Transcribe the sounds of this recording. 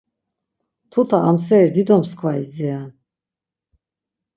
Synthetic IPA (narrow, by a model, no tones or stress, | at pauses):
t̪ʰut̪ʰaamsɛɾid̪id̪ɔmskʰwaizɛa